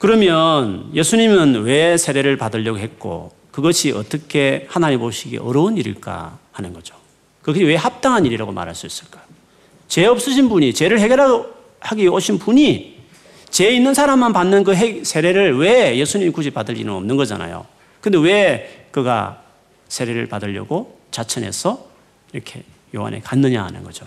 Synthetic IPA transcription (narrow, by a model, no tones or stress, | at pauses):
kɯɾʌmjʌnje̞sʰuɲimɯnwe̞sʰe̞ɾe̞ɾɯɭpadɯʎːʌɡoɦe̞t̚k͈o̰ | kɯɡʌɕʰiʌ̰t͈ʌkʰe̞hanaɲimoɕʰiɡḛʔʌɾʌuniɾɯ̰ɭk͈a̰hanɯnɡʌd͡ʑo̥ | kɯkwe̞hap̚t͈aŋɦaniɾiɾaɡoma̰ɾɦa̰ɭs͈uis͈ɯ̥ɭk͈ḁ | t͡ɕe̞ʌp̚s͈ɯɕʰinbuɲit͡ɕe̞ɾɯɭɦeɡeɾa | haɡioɕʰinpuɲi | t͡ɕe̞inːɯnsʰaɾamːanpanːɯnk̬ɯɦesʰe̞ɾe̞ɾɯɭweje̞sʰuɲimikuɕʰipadɯʎːinɯnʌmnɯnɡʌd͡ʑa̰na̰jo̰ | kɯndewe̞kɯɡa̰ | sʰe̞ɾe̞ɾɯ̰ɭpadɯʎːʌ̰ɡo | t͡ɕat͡ɕʰʌne̞̰sʰʌ | iɾʌkʰe̞̰ | joɦa̰nʔe̞̰kanːɯɲa̰hanɯ̰nɡʌd͡ʑo